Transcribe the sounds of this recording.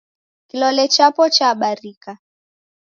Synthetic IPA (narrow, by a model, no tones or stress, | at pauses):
kilɔlɛt͡ʃapɔt͡ʃaːɓaɾika